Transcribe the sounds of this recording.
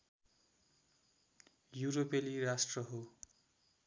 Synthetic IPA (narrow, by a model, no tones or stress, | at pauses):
juɾopeliɾasʈrʌɦo